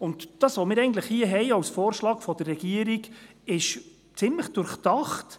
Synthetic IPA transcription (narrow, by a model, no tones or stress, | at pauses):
ʊndd̥ɑːsʋomɪːɾɛɪɡən̩t̪ləχhiəɦɛɪɑwsfɔːɾʃlɑːkfɔd̥̪ərːɛɡ̥iəɾiɡ | ɪʃ | t͡sɪmləχd̥ʊɾχtɑχt